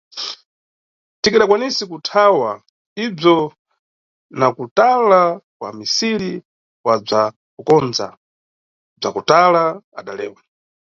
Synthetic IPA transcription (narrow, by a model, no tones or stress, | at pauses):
tikiɗakwanisikutʰawa | ib͡ʐɔ | nakutalakwa̰misiɾi | wab͡ʐa | kukɔnd͡za̰ | b͡ʐakutalaaɗalɛ̰ːwa